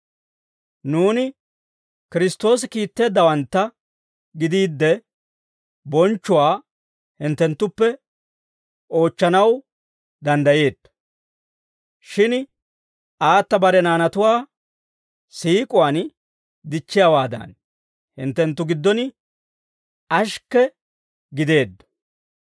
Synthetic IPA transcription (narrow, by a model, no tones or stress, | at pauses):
nuːnɪ | kɪɾɪst̪ːo̞ːs̬ɪkiːt̪ːe̞ːd̪ːɐwɐnt̪ːɐ | ɡɪd̪iːd̪ːɛ | bɔnt͡ʃːʊwaː | hɪnt̪ːɛnt̪ːʊpːɛ | o̞ːt͡ʃːɐnɐw | d̪ɐnd̪ɐje̞ːt̪ː | ʃɪn | ʔaːt̪ːɐbɐɾɛnaːnɐt̪ʊwaː | siːkʼʊwaːn | d̪ɪt͡ʃːɪjawaːd̪ɐ̰n | hɪnt̪ːɛnt̪ːʊɡɪd̪ːɔnɪ | ʔɐʃkːɛ | ɡɪd̪e̞ːd̪ːɔ̥